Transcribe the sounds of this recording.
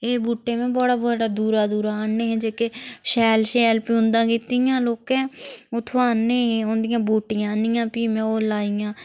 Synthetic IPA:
eːbuːʈːeːmẽːbɔːɽaːboːɽaːd̪uːɾaːd̪uːɾaːanẽːɦɛ̃ːd͡ʒeːkeʃɛːlʃɛːlpiːʊ̃nd̪ãːkiːt̪ijãːloːkɛ̃ːʊt̪ʰoaːnẽːɦẽːʊ̃nd̪ɪjãːbuːʈɪjãːnɪjãːpiːmẽːoːlaːɪjãː

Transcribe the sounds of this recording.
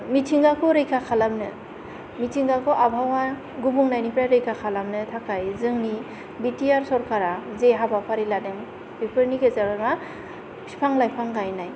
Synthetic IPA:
mitʰiŋɡakʰɔɾɯjkʰakʰalamnɯ | mitʰiŋɡakʰɔʔabʱawa | ɡubuŋnajnipɾajɾɯjkʰakʰalamnɯtʰakʰajzɯŋni | bitiaɾsɔɾkʰaɾazeɦabapʰaɾiladeŋ | pipʰɯɾniɡezabɯma | pʰi̥pʰaŋlajpʰaŋɡajnaj

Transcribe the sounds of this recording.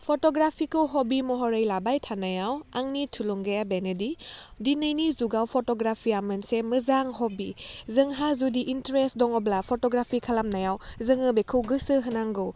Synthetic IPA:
pʰotɔɡɾapʰikɯwɦɔbimɔɦɔɾɯjlabajtʰanajawaŋnitʰuluŋɡajabenedi | dinɯjnizuɡawpʰɔtɔɡɾapʰijamɯnsemɯzaŋɦɔbizɯŋɦazudiʔintɾestdɔŋɔblapʰɔtɔɡɾapʰikʰalamnajawzɯŋɯbekʰɯwɡɯsɯɦɯnaŋɡɯw

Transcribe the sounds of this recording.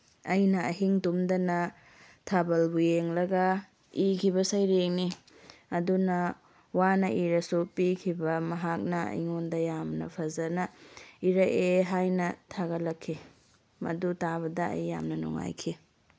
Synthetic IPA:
ɐjnɐɐɦiŋdumdɐnɐ | tʰabɐlbujeŋlɐɡɐ | ikʰibɐsɐjɾeŋni | ɐdunɐ | wanɐʔiɾɐsupikʰibɐmɐɦak̚nɐɐ̰jŋondɐjamnɐ̰pʰɐzɐnɐiɾɐʔeɦajnɐtʰaɡɐlɐkʰːi | mɐ̰dutaβɐdɐɐ̰jːa̰mnɐnṵŋa̰jkʰi

